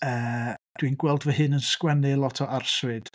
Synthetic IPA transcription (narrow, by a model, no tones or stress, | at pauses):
əːdd̥winɡwɛlˠdvəɦɨnənskwɛnɨlˠɔtʰɔʔarswɨd̥